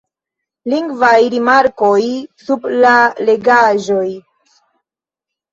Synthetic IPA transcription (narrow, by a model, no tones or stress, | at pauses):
liŋɡvajɾimaɾko̞jsublale̞ɡaʒo̞j